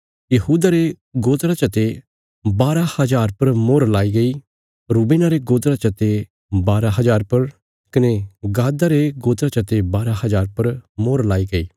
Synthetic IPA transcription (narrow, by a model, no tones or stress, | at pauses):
jɐɦuːd̪aɾe | ɡoːt̪ɾat͡ʃɐt̪e | baːɾahɐzaːɾpɐɾmoːɾlaːiɡɐi | ɾuːbẽːnaɾeɡoːt̪ɾat͡ʃɐt̪e | baːɾaɦɐzaːɾpɐɾ | kɐneɡaːd̪aɾeɡoːt̪ɾat͡ʃɐt̪ebaːɾahɐzaːɾpɐɾmoːɾlaːiɡɐiː